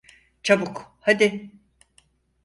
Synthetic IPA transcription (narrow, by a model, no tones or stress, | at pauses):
t͡ʃʰabukhad̪i